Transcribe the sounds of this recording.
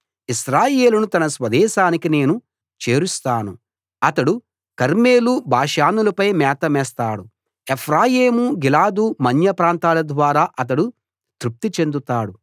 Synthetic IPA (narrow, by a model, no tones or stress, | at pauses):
iʃɾaːje̞ːlunut̪ɐnɐsʋɐd̪ɛːʃaːnikine̞ːnu | t͡ʃe̞ːɾust̪aːnu | ɐt̪ɐɽu | kɐɾme̞ːlubaːʃaːnulɐpɐjmɛːt̪ɐmɛːst̪aːɽu | epʰɾaːjeːmuɡilaːd̪umɐnjɐpɾaːnt̪aːlɐd̪ʋaːɾaːʔɐt̪̬ɐɽu | t̪ɾup̚t̪it͡ʃe̞nd̪ut̪aːɽu